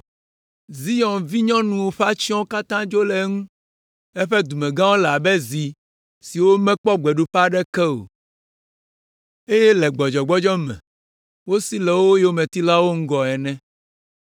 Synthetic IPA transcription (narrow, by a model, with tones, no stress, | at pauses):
zi˦jɔ̃˨nvi˦ɲɔ̃˦nũ˨wo˦ɸa˦t͡ʃi˦ɔ̃˦o˦ka˦t̪ã˦d͡ʒo˦lɛ˨˦ŋũ˦ | ɛ˦ɸɛ˦d̪u˨mɛ̃˨ɡã˦wo˦la˨bɛ˦zi˨ | si˨wo˦mɛ̃˦k͡pɔ˦ɡ͡bɛ˨ɖu˦ɸa˦ɖɛ˦kɛ˦o̰˨ | e˦jɛ˦lɛ˨ɡ͡bɔ˨d͡ʒɔ˨ɡ͡bɔ˦d͡ʒɔ˦mɛ̰̃˨ | wo˦si˦lɛ˨wo˦je˦o˦mɛ̃˨t̪i˦la˦wo˦ŋ̩˦ɡɔ˨ɛ˨nɛ̃˦